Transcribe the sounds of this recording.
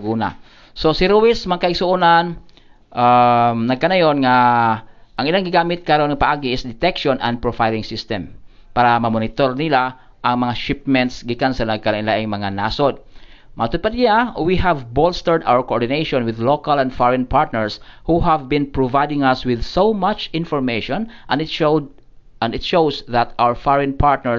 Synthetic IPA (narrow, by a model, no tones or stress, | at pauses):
ɡuːna̰ | sosiɾuwɪsmɐkɐɪɡsʊʔunan | ʔamnɐɡ̚kɐnɐjonŋa | ʔɐŋɪlaŋɡɪɡaːmɪt̪̚kaɾonŋɐpɐʔaːɡiɪsd̪ɛt̪ɛkʃonʔɐ̃nd̪̚pɹofajlɪŋsɪst̪ɛm | paːɾɐmɐmonɪt̪oɾnɪla | ʔɐŋmɐŋaʃɪpmɛnt̪sɡikansɐnɐɡ̚kɐlaŋlaʔɪŋmɐŋanaːsod̪̚mɐt̪ʊd̪̚pad̪̚awiɦavbolst̪ɛɹd̪ʔa̰wəɹkoʔoɹd̪ɪnejʃɔ̃nwɪðlokalɐ̃nd̪foɹɛnpaɹt̪̚nɛɹshuɦavbɪ̃npɹovajd̪ɪŋɐswɪðsowmat͡ʃɪ̃nfɔɹmeʃɔ̃nʔɐn | ɐnɪt̪ʃowsðɐt̪awəɹfoɹɛnpʰaɹt̪nɛ